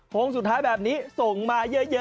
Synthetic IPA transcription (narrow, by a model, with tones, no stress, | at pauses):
ho˧ŋsu˨˩t̪ʰːaː˦˥jbɛː˨˩p̚niː˦˥so˨˩ŋmaː˧jɯ˦˥jɤː˧